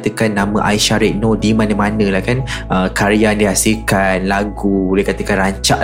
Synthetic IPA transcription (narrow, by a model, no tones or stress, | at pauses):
t̪əkanːãmə̃ʔa̰jʃaɾɪʔ̚nodimanə̃mãnə̃lahkanʔəkaɾiandiɦasilkanlaɡubulɛhkat̪əkanraɲt͡ʃaʔ